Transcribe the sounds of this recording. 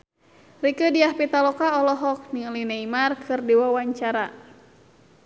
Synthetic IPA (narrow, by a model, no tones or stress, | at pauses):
rikədiahpit̪alɔkaɔlɔɦɔk̚niŋlineimarkʰɨrdiwawaɲt͡ʃaɾa